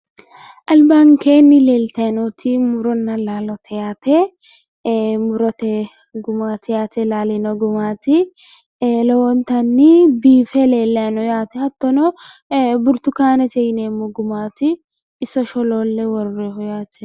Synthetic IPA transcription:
ʔɐlbaŋkeːnːɪleːlt̪ɐjnɔt̪ʰɪmʊɾɔnːɐlaːlɔt̪ʰɛjaːt̪ɛ | mʊɾɔt̪ɛ | ɡʊmaːt̪ɪjaːt̪ɛlaːlɛnɔɡʊmaːt̪ɪ | lɔwɔnt̪ɐnːɪbiːfɛleːlːɐɐnɔjaːt̪ɛhɐt̪ːɔnɔ | bʊɾt̪ʊkaːnɛt̪ɛjneːmːɔɡʊmaːt̪ɪ | ɪsɔʃɔloːlːɛwɔɾːɛhɔjaːt̪ɛ

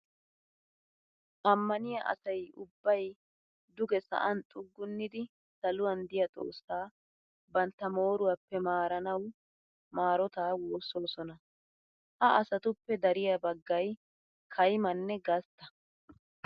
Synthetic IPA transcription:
ʔɐmːɐnɪjɐʔɐ̰sɐjʊbːɐj | d̪ʊɡɛsɐ̰ʔɐnt̪ʼʊɡːʊnːɪd̪ɪ | sɐlʊwɐnd̪ɪjɐt̪ʼo̰ːsːaː | bɐnt̪ːɐmo̞ːɾʊwɐpːɛmaːɾɐnɐw | maːɾɔt̪aːwoːsoːsɔnɐ | ʔɐʔɐsɐt̪ʊpːɛd̪ɐɾɪjɐbɐɡːɐj | kʰɐjmɐnːɛɡɐst̪ːɐ̥

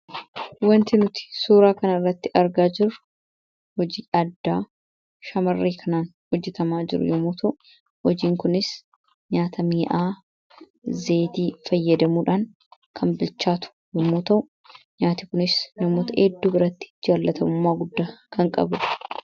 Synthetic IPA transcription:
wɐnt̪ɪnʊt̪ɪ̥suːɾaːkɐnɐɪrːɐt̪ːɪʔɐɾɡaːd͡ʒɪɾʊ | hɔd͡ʒiːʔɐd̪ːaː | ʃɐmɐrːeːkʰɐnaːnhɔd͡ʒːɛt̪ɐmaːd͡ʒɪ̰ɾʊ̰jɔmuːt̪ʰɐʔʊ | hɔd͡ʒiːŋkʊnɪs | ɲaːt̪ʰɐmiːʔaː | ze̞ːt̪iːfɐjːɐd̪ɐmuːᶑaːn | kʰɐmbɪlt͡ʃːaːt̪ʊ̥jɔmuːt̪ɐʔʊ | ɲaːt̪ɪkʊnɪsnɐmoːt̪ɐʔed̪ːuːbɪɾɐt̪ːɪ̥d͡ʒaːlːɐt̪ʰɐmʊmːaːɡʊd̪ːaːkʰɐŋkʼɐ̰bʊᶑɐ̥

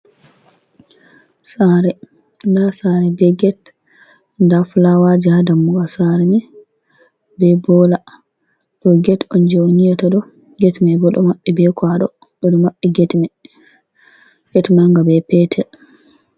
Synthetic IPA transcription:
saɾɛ | ndasaɾɛbɛɡɛt | ndafulawad͡ʒihadamːuɡasaɾɛnɛ | bɛbɔla | ɗɔɡɛtɔnd͡ʒonijataɗɔ | ɡɛtmɛbɔɗɔmaɓːɛbɛkʰwaɗɔ̰ | ɗɔdɔmaɓːɛɡɛtmɛ | ɡ̥ɛtmaŋɡabɛpɛtʰɛl

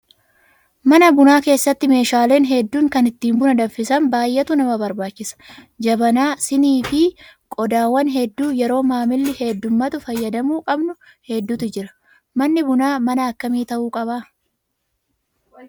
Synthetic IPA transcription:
mɐnɐbʊnaːke̞ːsːɐt̪ːɪme̞ːʃaːle̞ːnɦɛd̪ːuːŋkɐnɪt̪ːiːmbʊnɐd̪ɐfɪsɐmbaːjʔɛt̪ʊnɐmɐbɐɾbaːt͡ʃːɪsɐ̥ | d͡ʒɐbɐnaːsɪniːfɪkʼɔd̪aːwːɐnɦɛd̪ːuːjɛɾo̞ːmaːmɪlːɪhɛd̪ːʊmːɐt̪ʊfɐjːɐd̪ɐmuːkʼɐbnʊ | hɛd̪ːuːt̪ɪd͡ʒɪɾɐ̥ | mɐnːɪbʊnaːmɐnɐːkːɐmiːt̪ɐʔuːkʼɐbaː

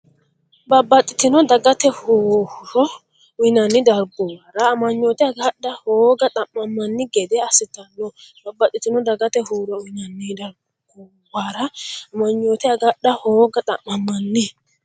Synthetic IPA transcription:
bɐbːɐt̪ʼːɪt̪ɪnɔd̪ɐɡɐt̪ɛhoːhɾɔ | ʊnɐnːɪd̪ɐɾɡɔwaːɾɐːmɐɲːoːt̪ɛɐɡɐɗːɐhoːɡɐt̪ʼɐmːɐmːɐnːɪɡɛd̪ɛɐsɪt̪ɐnːɔbɐbːɐt̪ʼːɪt̪ɪnɔd̪ɐɡɐt̪ɛɦuːɾɔʊɪnɐnːɪd̪ɐɾ | ɡɔ | waɾɐɐmɐɲːoːt̪ɛɐɡɐɗɐhoːɡɐt̪ʼɐ̰mːɐmːɐnːɪ

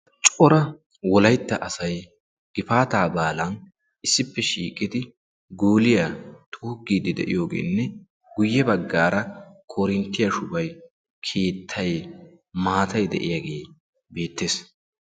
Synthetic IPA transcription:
t͡ʃʼɔɾɐ | wɔlɐjt̪ːɐʔɐsɐj | ɡ̥ɪfaːt̪aːbaːlɐn | ʔɪsːɪpːɛʃiːkʼɪd̪ɪ | ɡuːlɪjat̪ʰʼuːɡːiːd̪ɪd̪ɛ̰ʔɪ̰jo̞ːɡḛːnːɛ | ɡʊjːɛbɐɡːaːɾɐkʰoːɾɪnt̪ːɪjɐʃʊbɐj | kʰeːt̪ʰːɐj | maːt̪ɐjd̪ɛ̰ʔɪ̰jaɡe̞ː | be̞ːt̪ːeːs

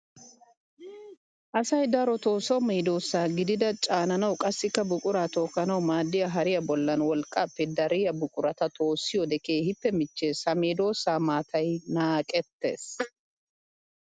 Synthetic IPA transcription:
ʔɐsɐjd̪ɐɾɔt̪o̞ːsɐwmeːd̪o̞ːsːaːɡɪd̪ɪd̪ɐt͡ʃʼaːnɐnɐwkʼɐsːɪkːɐbʊkʼʊɾaːt̪oːkːɐnɐwmaːd̪ːɪjɐɦɐɾɪjɐbɔlːɐnwɔlkʼːɐpːɛd̪ɐɾɪjɐbʊkʼʊɾɐt̪ɐt̪ʰo̞ːsːɪjɔd̪ɛkeːhɪpːɛmɪt͡ʃːeːsɐmeːd̪o̞ːsːaːmaːt̪ʰɐjnaːkʼɛt̪ːḛːs

